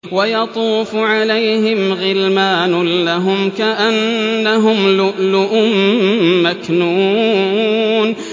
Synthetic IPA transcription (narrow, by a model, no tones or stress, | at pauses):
wajɑt̪ˤuːfʊʕalajhɪmɣɪlmaːnʊːaɦʊmkaʔanːaɦʊmlʊlʊʔʊmːaknuː | n